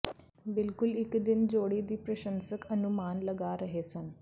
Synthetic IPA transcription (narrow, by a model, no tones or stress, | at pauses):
bɪlkulikd̪ind͡zoɽiːd̪iːpɾəɕənsəkənumaːnləɡaɾəɦesən